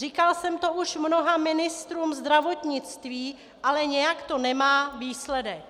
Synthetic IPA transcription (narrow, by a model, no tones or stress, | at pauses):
riːkalsɛmt̪oʔuʃmnoɦamɪnɪst̪ɾuːmzd̪ɾavot̪ɲɪt͡st̪viː | ʔalɛɲɛjakt̪o̞nɛmaːviːslɛdɛk̚